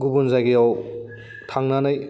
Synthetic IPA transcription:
ɡubunzaɡiaw | tʰaŋnanaj

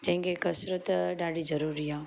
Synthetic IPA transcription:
d͡ʒɐ̃ɦĩŋɡekɐsɾət̪ɖaːɽid͡ʒɐɾuɾiaː

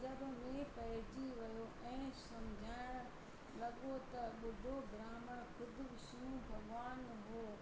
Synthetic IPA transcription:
zɐbmẽpɐɦɪd͡ʑiʋɐjoʔɛ̃ːsɐmd͡ʑʱaːɪɽ̃ | lɐɠot̪ɐɓʊɖʱobɾaːməɽkʊd̪ʱʊbɪʃijũbʱɐɡʋaːn | ɦoː

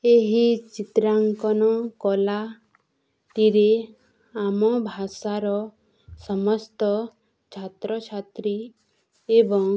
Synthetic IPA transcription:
eɦit͡ʃit̪ɾaŋkɔnɔkɔla | ʈiɾe | amɔbʱasaɾɔ | sɔmɔst̪ɔ | t͡ʃʰat̪ɾɔt͡ʃʰat̪ɾi | ebɔŋ

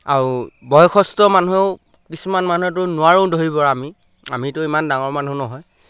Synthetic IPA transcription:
aɹubɔjɔkʰɔstɔmanuɦeʊ | kisumanmanuɦɛt̬ʊnʊwaɹõʊdoɦibɔɹaami | amitʊimandaŋɔɹmanunɔɦɔj

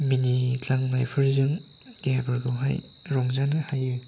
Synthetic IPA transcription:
minitaŋnajpʰɯɾzɯŋ | ɡebɯɾɡɯwɦa̰jɾɔŋzanɯhajɯ

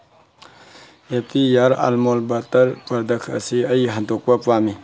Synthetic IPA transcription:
epʰijaɾa̰lmolbatɐɾpɐɾd̪ɐkʰə̰siɐjɦɐndok̚pɐpami

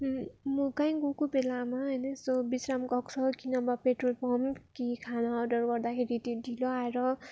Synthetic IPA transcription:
ɦmokaj̃ɡokobelamaɦʌjnʌsobisramkʌkt͡sʰʌkinʌbapeʈrolpʰʌmkikʰanaːɖʌrɡʌrd̪akʰeɾit̪odʱiloaeɾʌ

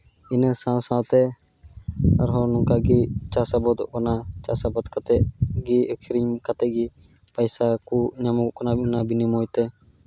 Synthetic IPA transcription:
inəsãwsãwt̪ɛ | a̰ɾɦɔnɔŋkaɡit͡ʃasabɔd̪ɔʔkanat͡ʃasabɔd̪kat̪ɛʔɡiəkʰɾiɲkat̪ɛʔ̚ɡi | pəjsakuʔɲamukʔkanabnabinimɔjt̪ɛ

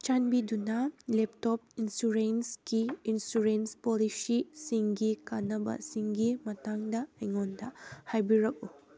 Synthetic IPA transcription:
t͡ʃanbidunɐlep̚top̚insuɾensɡiːnsuɾenspolisisiŋɡikanɐbɐ̰siŋɡimɐtaŋdɐɐjŋondɐhajbiɾɐk̚u

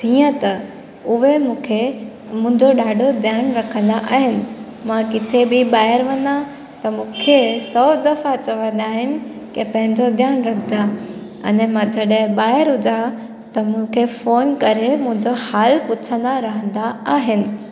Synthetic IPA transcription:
t̪iːə̃t̪ɐ | ʊɦemũːkʰe | mʊ̃ɦɪ̃ɲd͡ʑoɗaːɖʱod̪ʱjaːnɾɐkʰə̃nd̪aʔaːɦɪnɪ̆ | mãkɪt̪ʰebɪɓaːɪɾʋɐ̃nd̪a | t̪ɐmũːkʰesɔːd̪ɐfat͡ɕɐʋə̃nd̪aːɦɪnɪ̆ | kɪpɐ̃ɦɪ̃ɲd͡ʑod̪ʱjaːnɾɐkʰɪd͡ʑ̪a | ɐ̰nmãd͡ʑɐɗəɦɪ̃ɓaːɪəɾɦʊd͡ʑa | t̪ɐmʊ̃kʰefoːnkɐɾemʊ̃ɦɪ̃ɲd͡ʑahaːlpʊtʰə̃nd̪aɾɐɦə̃nd̪aaːɦɪnɪ̆

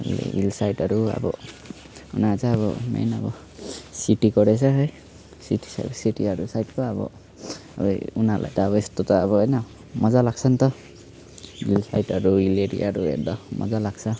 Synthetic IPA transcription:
lḛilsajʈʌɾua̰bɔ̰ | unasaːβɔma̰nabɔ | siʈikɔɾesʰaɦʌj | siʈi̥sa̰siʈiaɾusajʈkɔabɔ̰ | abɔjunalʔa̰jt̪aːbɔest̪ut̪ɔabɔejna | mɔzalaɡsʰʌnt̪ʌ | ḭlsajʈʌɾuileɾḭaɾuḛk̚d̪ɔmɔ̰zalaɡsʰʌ

